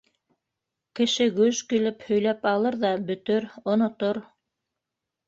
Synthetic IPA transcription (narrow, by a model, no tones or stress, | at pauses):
kɘ̆ʃɘɡʉʒkilɘphɵ̆jlæpɑlˠɤɾðɑbɵ̆t̪ɵɾŏnŏt̪oɾ